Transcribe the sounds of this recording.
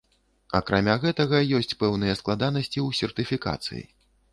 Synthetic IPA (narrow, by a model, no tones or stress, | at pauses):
ɐ̰kɾamʲaɣɛt̪ɐɣɐjɔsʲt͡sʲpɛwnɨjɛsklˠad̪anɐsʲt͡sʲiuwsʲɛrt̪ɨfʲika̰t̪sɨ̰jḭ